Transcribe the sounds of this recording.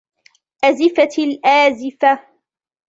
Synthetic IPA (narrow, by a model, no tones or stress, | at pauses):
ʔazɪfalʔaːzɪfa